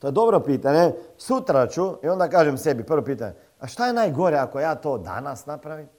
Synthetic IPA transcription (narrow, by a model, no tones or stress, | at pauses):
t̪oɛd̪ɔbɾɔpit̪aɲɛsut̪ɾat͡ʃuiond̪akaʒɛmsɛbipər̩ʋɔpit̪aɲɛ | aʃt̪aɛnajɡoɾɛakɔjat̪od̪a̰nasnapɾaʋim